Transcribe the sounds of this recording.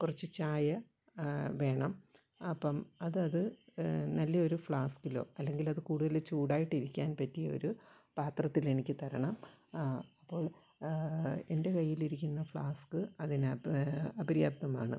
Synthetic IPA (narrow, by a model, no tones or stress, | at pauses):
kurɐt͡ɕːɨt͡ɕaːjɐ | ʋe̞ːɳɐm | ɐpːɐmɐðɨɐðɨnɐlːɐoɾufɭaːskilo̞̰ːɐlːe̞ŋɡilɐðɨkuːɽuðɐlet͡ɕuːɽaːjiʈːiɾikʲːaːnpɐtːijɐo̞̰ɾu | paːt̪rɐt̪ːile̞nikʲːɨt̪ɐɾɐɳɐm | ɐpːo̞ːɭ | e̞̰nde̞kɐjːiliɾikʲːunːɐfɭaːskɨɐðin | ɐbɐɾjaːb̚t̪ːɐma̰ːɳɨ̰